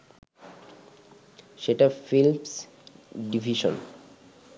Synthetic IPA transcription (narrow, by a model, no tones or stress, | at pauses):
ʃeʈafilms | ɖibʱiʃo̰n